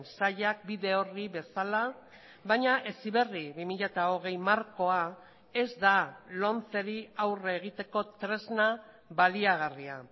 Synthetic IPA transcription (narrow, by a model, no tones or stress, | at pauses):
nsaʎak̚biðe̞o̞riβe̞sala | βaɲaʔe̞siβe̞riβimiʎat̪ao̞ɣ̞e̞jmaɾko̞a | e̞zd̪alo̞nt͡se̞ɾiawreɣ̞it̪e̞ko̞t̪ɾe̞zna | βaliaɣ̞aria